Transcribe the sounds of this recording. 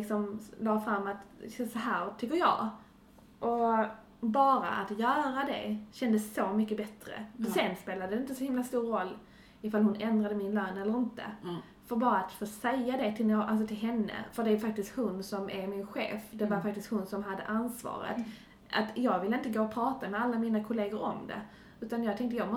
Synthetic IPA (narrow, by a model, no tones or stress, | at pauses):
lɪksɔmlɑːɡfɾamːat̪sɔɦæːɾt̪ʰʏkːəɾjɑ̰ː | ʔɔ | bɑːɾa̰ʔat̪jœːɾad̪ɛ̰ɕɛnd̪əsːomʏkːəbɛt̪ɾə̰ɔsɛnspeːlad̪ədɛɪnt̪əsɔhɪmlast̪uːɾːɔlː | ɪfalhʊnɛnd̪ɾad̪əmɪnlœːnɛlːəɾɪnt̪ə̰ | fœɾbɑːɾaːt̪foːsɛjːad̪ɛt̪ʰɪlnoːʔals̬ɔt̪ʰɪlɦɛnːə̰fœɖ̪ɛaːjfak̚t̪ɪst̪hʊnsɔmʔæɾmɪnɧḛːfd̪ɛvaɾfak̚t̪ɪst̪hʊnsɔmɦad̪ːə̰ʔansvɑ̰ːɾə̰t̪ | ʔa̰t̪jɑːɡvɪlːəɪnt̪̬əɡoːɔpʰɾɑːt̪amɛalːamiːnakʰʊleːɡʊɾɔ̰md̪ɛ̰ | ʉ̟ːt̪anjɑːɡ̚t̪ɛŋkt̪əjɑːɡmɔ